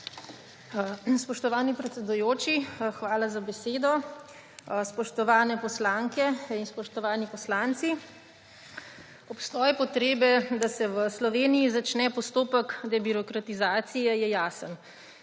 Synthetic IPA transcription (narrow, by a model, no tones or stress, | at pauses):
spɔʃt̪ɔʋaːnipɾɛt̪sɛd̪ujoːt͡ʃixʋaːlazabɛseːd̪ɔ | spɔʃt̪ɔʋaːnɛpɔslaŋkɛinspɔʃt̪ɔʋaːnipɔslant̪si | ɔpst̪ɔːjɛpɔt̪ɾeːbɛd̪asɛʋəslɔʋeːnijizat͡ʃnɛpɔst̪oːpəkd̪ɛbiɾɔkɾat̪izaːt̪sijɛjɛjaːsən